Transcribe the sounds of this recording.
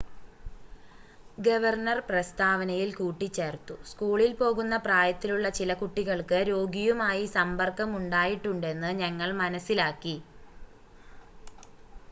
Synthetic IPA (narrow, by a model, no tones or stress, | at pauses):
ɡɐʋɐrnɐrprɐst̪ʰaːʋɐnɐjilkuːʈːit͡ɕːeːrt̪ːuskuːɭilpo̞ːɣunːɐpraːjɐt̪ːiluɭːɐt͡ɕilɐkuʈːiɣɐɭkɨɾo̞ːɡijumaːjisɐmbɐrkːɐmuɳɖaːjiʈːuɳɖe̞nːɨɲɐŋːɐɭmɐnɐsilaːkːi